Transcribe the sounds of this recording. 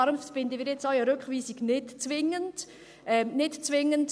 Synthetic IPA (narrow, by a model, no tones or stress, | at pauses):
ɑɾmffɪndənviːɾjɛt͡sɔɥəɾøkχviːsiɡnɪtt͡svɪŋənd̥ | ʔɛnɪtt͡svɪŋənt